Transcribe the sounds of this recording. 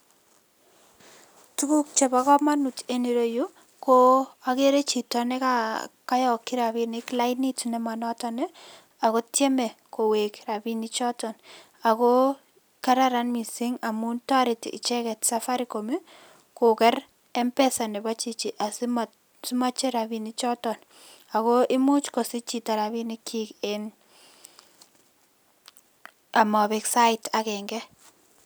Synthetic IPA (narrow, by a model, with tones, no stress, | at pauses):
tu˦ku˦k̚t͡ʃɛ˨ba˦kɔ˦ma˦nu˨t͡ʃe˦ni˨ɾo˦ju | koake˦ɾe˦t͡ʃitɔnɛ˦kaka˦jɔ˨kːi˦ɾabinɪkla˦ɪni˦tnɛma˨nɔ˦tɔnɛ˦ | a˨ko˦tjɛ˦mɛ˨ko˨wekrabinit͡ʃɔ˦tɔn | a˨ko | kaɾaɾanmi˨si˦ŋa˨mu˦nta˦ɾɪ˨tɪ̰˨t͡ʃɛ˦kɛ˨tsa˦fa˦ɾi˨ko˨me˦ | kʊ˨kɛ˦ɾ | ɛ˦mpɛ˦sa˨nɛ˨ba˦t͡ʃi˦t͡ʃi˨ʔa˨si˦ma | si˦ma˦t͡ʃe˦ɾa˨bi˦ni˦t͡ʃɔ˦tɔ˨n | a˨ko˦ʔɪ˦mu˦t͡ʃkɔ˨sɪ˦t͡ʃi˨ta˨ɾa˨bi˦ni˦kʰi˦kɪn | a˨mɔ˨bɪ˨ksa˦ɪtʰa˨kɛ˨ŋɡɛ˦